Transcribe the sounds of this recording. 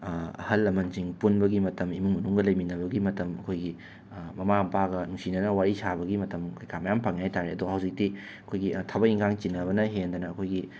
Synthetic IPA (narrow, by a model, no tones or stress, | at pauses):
ɐ̰hɐlːɐmɐnziŋpunbɐɡimɐtɐmimuŋmɐnuŋɡɐlɐjminɐbɐɡimɐtɐmɐkʰojɡi | mɐmaɐmpaɡɐnuŋsinɐnɐwaɾisabɐɡimɐtɐmkʰojkʰamɐjampʰaŋjajtaɾeɐduɐhɐwzik̚di | ɐkʰojɡitʰabɐiŋkʰaŋt͡ʃinːɐβɐnɐɦend̪ɐnɐːkʰojɡi